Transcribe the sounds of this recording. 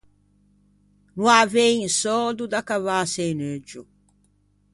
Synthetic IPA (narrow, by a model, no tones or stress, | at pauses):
nuavejĩnsɔd̪ud̪akavasejned͡ʒu